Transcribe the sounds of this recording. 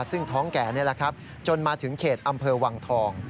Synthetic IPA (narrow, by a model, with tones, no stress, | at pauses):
sɯ˥˩ŋt̪ʰɔː˦˥ŋkɛː˩ni˥˩ɐla˦˩kʰa˦˥p̚ | t͡ɕo˧nmaː˧t̪ʰɯ˩˦ŋkʰeː˨˩t̪̚ʔa˧mpʰɤː˧wa˧ŋt̪ʰɔː˧ŋ